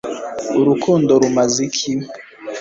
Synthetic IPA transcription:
uɾukʰɔndɔɾumazikʰi

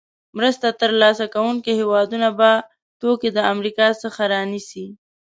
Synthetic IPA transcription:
mɾəst̪at̪əɾlɑsakawuŋkihewɑd̪unaba | t̪oked̪əamɾikɑsəxaɾɑnisi

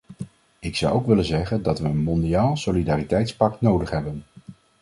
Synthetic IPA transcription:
ɪksɑwowkʋɪlənzɛχəndɑtʋəənmɔndijaːlˠsolidaːritɛjtspɑk̚tnowdəχɦɛbən

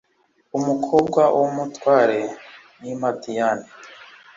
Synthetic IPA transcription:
umukʰobɡwawʔomutwaːɾe | nimadijani

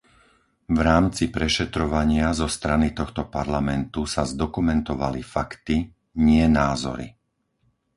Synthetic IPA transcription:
vɾaːmt͡sipɾɛʃɛt̪ɾɔʋaɲɪazɔst̪ɾanit̪ɔxt̪ɔpaɾlamɛnt̪usazd̪ɔkumɛnt̪ɔʋa̰lifakt̪i | ɲɪɛnaːzɔ̰ɾḭ

